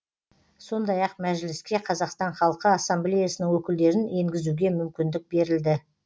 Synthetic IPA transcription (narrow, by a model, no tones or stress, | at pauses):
so̞nd̪ɑjɑq̚mæʒlɪskʲe̞qʰɑzɑqst̪ɑɴχɑlˠəqəɑsːɑmblʲejasənɪŋwɵkʲɪld̪e̞ɾɪne̞ŋɡʲɪzuɡʲe̞mʏmkʲɪnd̪ɪk̚be̞ɾɪld̪ɪ